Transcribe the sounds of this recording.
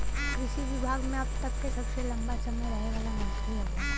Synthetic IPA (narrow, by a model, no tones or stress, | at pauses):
kɾɪʃiʋɪbʱaːɡmẽɐb̚t̪ɐkːesɐbselɐ̃mbat͡ʃɐmeɾɐɦneʋaːlamʊ̃skliɦɛa